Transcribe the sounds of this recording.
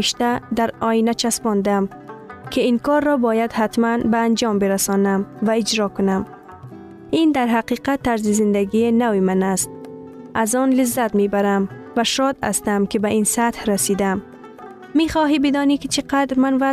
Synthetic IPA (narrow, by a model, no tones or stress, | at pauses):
iʃt̪ad̪aɾɒːinat͡ʃʰasbɔnd̪am | kʰɪinkɒɾːɔbɔːjad̪hat̪manbaːnd͡ʒɒmbɪɾasɔːnamvaɪd͡ʒɾɒːkʊnam | ind̪aɾɦaqiːqat̪ːaɾzizɪnd̪æɡinawimanast̪̚ | ʔazɔnlɪzːat̪mebaɾamvaʃɒd̪a̰st̪amkɪbaʔinsat̪hɾasid̪amː | iχɒːɦibɪd̪ɔːnikɪt͡ʃʰiqad̪ɾmanva